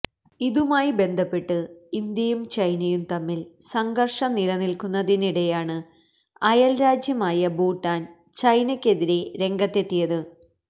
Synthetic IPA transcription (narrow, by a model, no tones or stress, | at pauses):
iðumaːjibe̞nd̪ʱɐpːe̞ʈːɨind̪jɐjumt͡ɕɐjnɐjumt̪ɐmːilsɐŋɡɐrʂɐnilɐnilkunːɐðiniɽe̞jaːɳɨ | ɐjɐlɾaːd͡ʑjɐmaːjɐbuːʈːaːn | t͡ɕɐjnɐkʲːe̞ðiɾe̞ɾe̞ŋɡɐt̪ːe̞t̪ːijɐðɨ